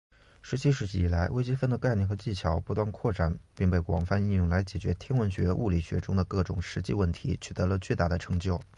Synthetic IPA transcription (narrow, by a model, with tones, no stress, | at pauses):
ʂɻ̩˧˥t͡ɕʰi˥ʂɻ̩˧˥t͡ɕi˥˩i˨˩la˧˥ɪwe˥ɪt͡ɕi˥fə˥˩nd̪ə˩ka˥˧ɪni˥˩xɤ˧˥t͡ɕi˥˩t͡ɕʰjɑ˧˥ʊpu˧˥t̪wa˥˧nkʰwɔ˥˩ʈ͡ʂa˥˩npi˥˧ŋpe˥˩ɪkwɑ̰˨˩ŋfa˥˧ni˥˧jʊ˥˩ŋla˧˥ɪt͡ɕjɛ˨˩t͡ɕɥɛ̰˧˥t̪ʰjɛ˥nwə˧˥nɕɥɛ˧˥ʔu˥˧li˨˩ɕɥɛ̰˧˥ʈ͡ʂʊ˥ŋd̪ə˨kɤ˥˩ʈ͡ʂʊ˨˩ŋʂɻ̩˧˥t͡ɕi˥˧wə˥˩nt̪ʰḭ˧˥t͡ɕʰy˨˩t̪ɤ˧˥lə˧t͡ɕy˥˧t̪a˥˩d̪ə˩ʈ͡ʂʰɤ̥˧˥ŋt͡ɕjo˥˩ʊ